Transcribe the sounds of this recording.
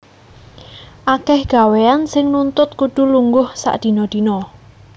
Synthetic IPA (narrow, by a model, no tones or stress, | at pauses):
ʔakɛhɡ̥a̤weansɪŋnunt̪ʊt̪̚kuɖ̪̥ṳluŋɡʊhsa̰ʔd̪̥i̤nɔd̪̥i̤nɔ